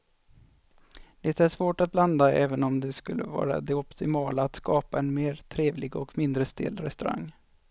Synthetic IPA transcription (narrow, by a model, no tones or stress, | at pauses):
d̪̥ɛt̪æʂvoːʈat̪̚bland̪aɛːvənɔmd̪ɛskɵlːʔə̰vɑ̰ːɾa̰d̪ɛɔpt̪ɪmɑːlaːt̪skɑːpaɛnmeːɾt̪ʰɾeːvlɪɡɔkmɪnd̪ɾəst̪ɪ̰lːɾɛst̪ɵɾa̰ŋː